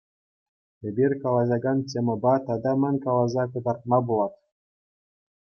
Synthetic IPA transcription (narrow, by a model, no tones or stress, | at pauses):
ebʲirʲkɑlˠɑʑɑɡɑntʲemʲɘ̆bɑt̪ɑd̪ɑmʲɘ̆nʲkɑlˠɑzɑkɤ̆d̪ɑrt̪̚mɑbulˠɑt̪